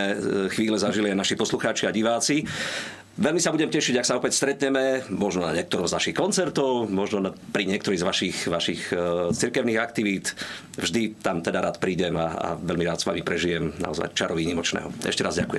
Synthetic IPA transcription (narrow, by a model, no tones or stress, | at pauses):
ɛxʋiːlɛzaʒiliajnaʃipɔsluxaːt͡ʃiaɟiʋaːt͡si | ʋɛlmisabuɟɛmcɛʃiɟaksaɔpɛcst̪ɾɛt̪ɲɛmɛmɔʒnɔna̰ɲɪɛkt̪ɔɾɔmznaʃixkɔnt͡sɛɾt̪ɔʊmɔʒnɔnapɾiɲɪɛkt̪ɔɾiːzʋaʃixʋaʃixt͡siɾkɛʊniːɣak̚t̪iʋiːt̪ | vʒd̪it̪amt̪ɛd̪aɾaːt̪pɾiːɟɛmaa̰ʋɛlmiɾaːt̪sʋa̰mipɾɛʒijɛmna̰ɔza̰jt͡ʃaɾɔʋiɲimɔt͡ʃnɛ̰ːɦɔɛ̰ʃcɛɾazɟa̰kujɛm